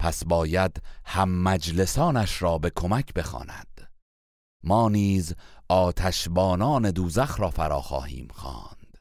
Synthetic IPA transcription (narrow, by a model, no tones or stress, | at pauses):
pʰæsbɒːjæd̪̥hæmːæd͡ʒle̞sɒːnæʃɾɒːbe̞kʰo̞mæcʰbe̞xɒ̰ːnæ̰d̪̥ | mɒːniːzɒːt̪ʰæʃbɒːnɒːne̞d̪uːzæxɾɒːfæɾɒ̰ːxɒ̰ːhḭːmxɑ̰ːnd̪̥